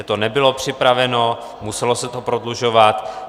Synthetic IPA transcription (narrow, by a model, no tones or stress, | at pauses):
ɛt̪onɛbɪlo̞pr̥ɪpɾavɛno | musɛlosɛt̪opɾodluʒo̞vat̪